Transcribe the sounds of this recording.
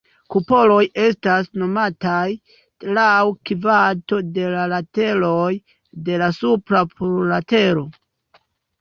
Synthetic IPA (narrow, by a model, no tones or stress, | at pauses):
kupo̞lo̞je̞stasno̞mataj | lawkivato̞de̞lalate̞loj | de̞lasupɾapuɾlate̞ɾo̞